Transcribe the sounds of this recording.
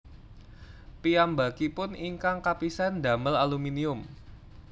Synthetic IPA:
piambakipʊniŋkaŋkapisand̪a̤məlaluminiʊm

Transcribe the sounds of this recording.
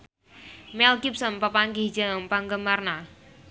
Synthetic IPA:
mɛlkip̚sənpəpaŋɡid͡ʒaəmpaŋɡəmarna

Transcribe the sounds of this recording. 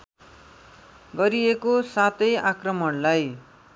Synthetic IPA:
ɡʌɾiekosat̪ʌjakrʌmʌɽlaj

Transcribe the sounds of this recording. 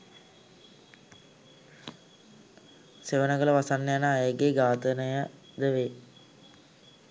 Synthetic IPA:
seʋənəɡələʋasanːəjanəajəɡeɡaːt̪ənəjə | d̪əʋe

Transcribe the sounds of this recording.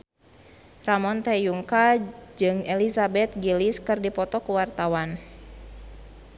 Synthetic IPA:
ramɔnt̪ɛjuŋkad͡ʒɨŋelisabɛt̪̚ɡiliskɨrdipɔt̪ɔkuwart̪awan

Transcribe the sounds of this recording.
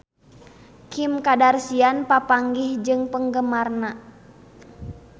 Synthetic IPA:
kimkadarsianpapaŋɡihd͡ʒɨŋpəŋɡəmarna

